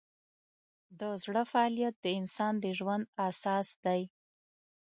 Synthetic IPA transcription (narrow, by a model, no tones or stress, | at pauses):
d̪əzɽəfaɑlijat̪̚d̪əɪnsɑnd̪əʒwand̪asɑsd̪aj